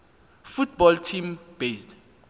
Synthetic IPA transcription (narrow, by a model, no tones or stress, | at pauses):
fut̚ʰbɔltʰimb̥esd